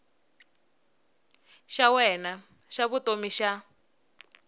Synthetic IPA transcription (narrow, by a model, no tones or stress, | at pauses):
ʃawɛna | ʃaβutomiʃa